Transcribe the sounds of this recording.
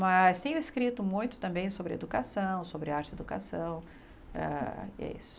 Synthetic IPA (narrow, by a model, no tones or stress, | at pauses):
mɐst̪ẽj̃ʊ̃eskɾit̪ʊmũj̃t̪ʊ̥t̪ɐ̃mbẽj̃sobɾɪḛd̪ukasɐ̃w̃sobɾɪaɾt͡ʃɪed̪uka̰sɐ̃w̃ | ɛ̰ɛ̰ḭsʊ̥